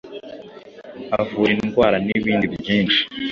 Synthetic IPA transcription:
avuːɾinnɡwaːɾaniβiːndiβɟiːnt͡ʃi̥

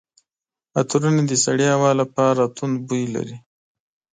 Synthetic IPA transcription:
at̪uɾuned̪əsaɽiawɑlapɑɾat̪und̪bujla̰ɾi

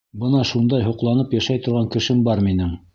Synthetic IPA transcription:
bɤnɑʃund̪ɑjɦŏqlˠɑnɤpjæʃæjt̪ŏɾʁɑŋkɘ̆ʃɘmbɑɾminɘŋ

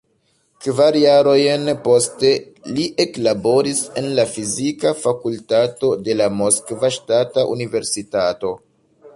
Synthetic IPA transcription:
kvaɾjaɾo̞jnpo̞ste̞ | liʔe̞klabo̞ɾise̞nlafizikafakultato̞de̞lamoskvaʃtataʔṵnive̞ɾsitato̞

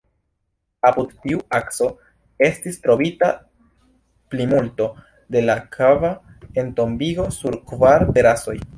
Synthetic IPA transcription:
apudtiuakso̞ | e̞stistɾo̞bita | plimulto̞ | de̞lakʰavae̞nto̞mbiɡo̞suɾkvaɾpe̞ɾaso̞j

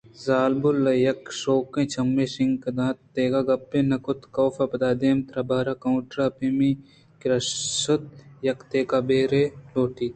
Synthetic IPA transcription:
zaːlbʊlːɐjɐkʃoːkẽːt͡ʃɐmːẽsɪŋɡkɐd̪ãːt̪ːeːɡaɡɐpːẽːnɐkʊt̪koːfɐpɐd̪aːd̪eːmt̪ɾɐbaːɾakɐũʈɾapimi | kɾɐssot̪̚jɐkt̪eːkabeːɾeloːʈiː

